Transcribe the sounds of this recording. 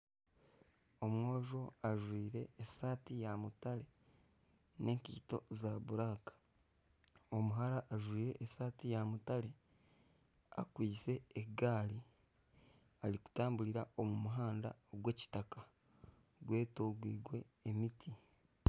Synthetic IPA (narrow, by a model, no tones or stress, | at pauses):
o̞mwo̞ːʒo̞aʒwiːɾe̞ːsaːtijamutaɾe̞ | ne̞ːŋkiːto̞̰zaβuɾaːkḁ | o̞muɦaɾaʔːʒwiːɾe̞ʔːsaːtijamutale̞ | a̰kwiːse̞ːɡaːli | aliku̥taːmbuɾiɾaomumuɦaːnda̰oɡwe̞ːci̥taka | ɡwe̞ːtoɡwiːɡwe̞ːmitʰi